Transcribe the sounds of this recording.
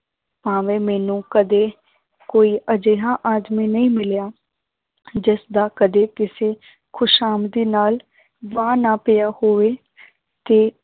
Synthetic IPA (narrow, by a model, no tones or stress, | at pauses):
pãːʋeːmɛːnũːkəd̪eː | koːiːʔəd͡ʒeːɦãːʔaːd̪miːnəĩːmɪljaː | d͡ʒɪsd̪aːkəd̪eːkɪseː | kʰʊʃaːmd̪iːnaːl | ʋãːnaːpɪjaːhoːʋeː | t̪eː